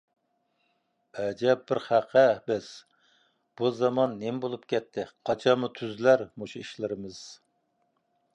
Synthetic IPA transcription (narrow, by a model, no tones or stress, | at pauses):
ɛd͡ʒɛp̚bɪɾχæqʰəbɪz̥ | b̥uzɑmɑnːembolˠupkʲɛt̪ʰːɪqʰɑt͡ʃʰɑmut̪ʰyzlæɾmoʃuiʃlɪɾɪmɨz̥